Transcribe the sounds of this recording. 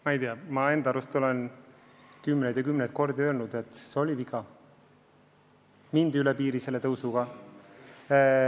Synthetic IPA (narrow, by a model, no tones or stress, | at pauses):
mɑijt̪eɑmɑe̞nd̪ɑɾust̪o̞len | kymːned̪jɑkymnet̪̚ko̞rd̪iølnud̪̥e̞t̪ˑseo̞lʲivikʰˑɑ | mind̪ylɛpiːɾise̞lːe̞t̪ɤwsuɡ̥ɑ